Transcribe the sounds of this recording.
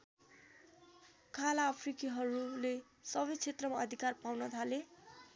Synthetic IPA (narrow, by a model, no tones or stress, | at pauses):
kʰalaːpʰrikiɦʌɾule | sʌbʌjt͡sʰet̪rʌmaʌd̪ʱikarpawnʌt̪ʰale